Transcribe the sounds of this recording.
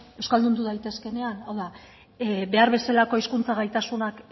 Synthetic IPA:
ewskald̪und̪uðajt̪e̞ske̞ne̞anawða | be̞aɾβe̞salako̞iskunt͡saɣajt̪asunak

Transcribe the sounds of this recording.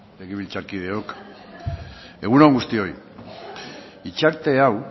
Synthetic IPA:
leɣiβ̞ilt͡saɾkið̞e̞ok | e̞ɣ̞unoŋɡust̪io̞j | it͡ʃaɾt̪e̞aw

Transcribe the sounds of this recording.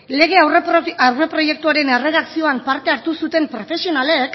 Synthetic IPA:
le̞ɣ̞e̞awrawre̞pɾo̞je̞k̚t̪uaɾe̞ne̞re̞ð̞aksio̞ampaɾt̪e̞aɾt̪usut̪e̞mpɾo̞fe̞sio̞nale̞k

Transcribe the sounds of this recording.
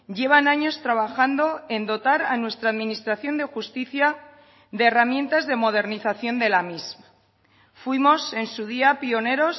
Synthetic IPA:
ɟ͡ʝe̞β̞anaɲo̞st̪ɾaβ̞axand̪o̞e̞nd̪o̞t̪aɾanwe̞st̪ɾaːðminist̪ɾaθjo̞nd̪exust̪iθja | ðeːramjent̪azðe̞mo̞ðe̞ɾniθaθjo̞nd̪e̞lamizma | fwimo̞se̞nsuð̞iapio̞ne̞ɾo̞s

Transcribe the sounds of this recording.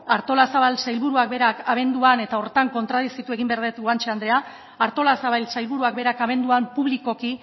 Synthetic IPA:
aɾt̪o̞lasaβalsajlβuɾuak̚be̞ɾakaβ̞e̞nd̪uane̞t̪ao̞ɾt̪aŋko̞nt̪ɾaðisit̪ue̞ɣ̞imbeaɾðet̪ɡwant͡ʃeand̪ɾe̞a | aɾt̪o̞lasaβajlsajlβuɾuak̚beɾakaβe̞nd̪uampuβliko̞ki

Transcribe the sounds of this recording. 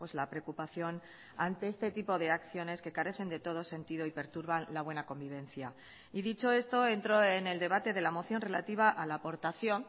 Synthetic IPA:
pwe̞zlapɾe̞okupaθjo̞n | ant̪e̞est̪e̞t̪ipo̞ðe̞akθjo̞ne̞ske̞kaɾe̞θe̞nd̪e̞t̪o̞ð̞o̞se̞nt̪iðo̞ipe̞ɾt̪uɾβanlaβ̞we̞nako̞mbiβ̞e̞nθja | iðit͡ʃo̞e̞st̪o̞e̞nt̪ɾo̞e̞ne̞ld̪e̞β̞at̪e̞ðe̞lamo̞θjo̞nre̞la̰t̪iβ̞aʔalaːpo̞ɾt̪aθjo̞n

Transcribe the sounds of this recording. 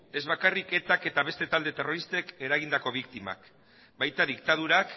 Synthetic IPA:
e̞zβakarike̞t̪ake̞t̪aβe̞st̪e̞t̪ald̪e̞t̪e̞ro̞ɾist̪e̞ke̞ɾaɣind̪ako̞βikt̪ima̰k | bajt̪aðik̚t̪að̞uɾak

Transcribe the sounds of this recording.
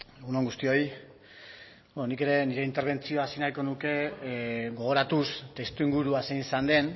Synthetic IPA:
eɣunoŋɡust̪io̞j | bononike̞ɾe̞niɾe̞int̪e̞ɾβ̞e̞nt͡sio̞asinajko̞nuke̞ | ɡo̞ɣ̞o̞ɾat̪ust̪e̞st̪uiŋɡuɾuasenisand̪e̞n

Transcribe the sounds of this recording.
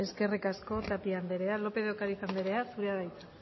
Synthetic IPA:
e̞ske̞rikasko̞t̪apiand̪e̞ɾe̞alo̞pe̞ðokaɾiθand̪eɾe̞asuɾeaðajt͡s̪a

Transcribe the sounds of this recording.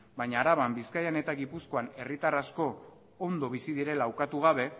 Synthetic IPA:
baɲaːɾaβambiskajane̞t̪aɣipusko̞ane̞rit̪arasko̞ː | nd̪o̞β̞isiðiɾe̞laːwkat̪uɣ̞aβ̞e̞

